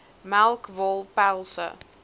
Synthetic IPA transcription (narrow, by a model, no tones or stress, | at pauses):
mælˠkvɔlˠpælˠsə̰